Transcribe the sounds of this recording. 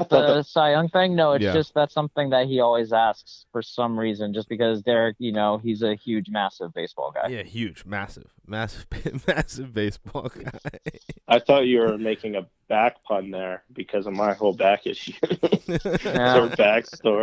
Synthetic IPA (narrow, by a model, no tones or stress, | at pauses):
ðəsaɪʌ̃ŋθɪ̃ŋnoʊɨtsd̥ʒ̥ʌst̪̚ðætsʌ̃mθɪ̃ŋðɨt̚hiɔlˠwizæsksfə˞sʌ̃mɹizɨ̃nd͡ʒʌsb̥ɨkʌzðə˞kjɨnoʊizɨhjʉd͡ʒmæsɨvbeɪsb̥ɔ̰lˠɡa̰ɪhjʉd̥d͡ʒmæsɪ̰v̥mæsɨvb̥mæsɨvbeɪsb̥ɔlˠɡaɪɪaɪθɔt͡ʃɨwə˞meɪkɪ̃ŋɨ | b̥æk̚pʰʌ̃nðə˞b̥ɨkʰʌzmaɪt̚hoʊlˠbækɨ̰ʃʉ | æə˞bækstɔɹ